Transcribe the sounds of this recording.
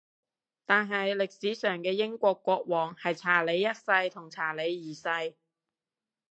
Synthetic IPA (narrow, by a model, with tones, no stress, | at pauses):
t̪aː˨nɦɐ˨jlɪ˨k̚siː˨˥sœː˨˩ŋkɛː˧jɪ˥ŋkʷɔː˧kʷːɔː˧k̚wɔː˨˩ŋhɐ˨jt͡sʰaː˨˩le˨˧jːɐ˥t̚sɐ˧jt̪ʰʊ˨˩ŋt͡sʰaː˨˩le˨˧jːiː˨˩sɐ˧j